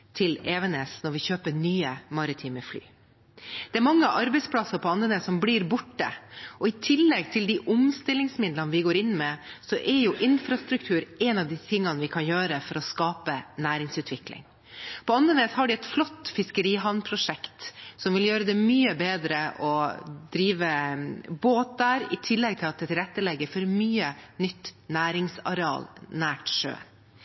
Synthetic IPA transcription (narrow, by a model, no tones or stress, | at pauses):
t̪ʰɪleːʋənesnɔɾʋɪçøːpənyːəmɑɾɪt̪ʰiːməfly̰ː | d̪̥ɛæɾmɑŋːəʔɑɾbɛɪspʰlɑsəɾpʰɔɑnd̪əneːssɔmbliɾbʊʈːə̰ʔɔɪt̪ʰɪlːɛɡt̪ʰɪld̪ɪʔʊmst̪ɪlːɪŋsmɪd̪lənʋɪɡoːɾɪnːmɛsɔʔɛɾjʊʔɪnfɾɑst̪ɾʉk̚t̪ʰʉːɾɛnɑʋd̪ɪt̪ʰɪŋːɑnəʋɪkʰɑnjøːɾəfɔɾɔskɑːpənæːɾɪŋsʉːt̪ʰʋɪklɪ̰ŋ | pʰɔɑnənɛt̪hɑɖɪɛt̪flɔt̪ːfɪskəɾiːɦɑnpʰɾʊʂɛkt̪sɔmʋɪljøːɾəd̪ɛmyːəbeːd̪ɾəʔɔd̪ɾiːʋəboːt̪̚d̪æːɾɪ̰t̪ʰɪlːɛɡ̚t̪ʰɪlɑt̪̚d̪ɛt̪ʰɪlɛt̪ːəlɛɡːəɾfɔɾmyːənʏt̪ːnæːɾɪŋsɑ̰ɾɛɑ̰ːlnæːʈʂø̰ː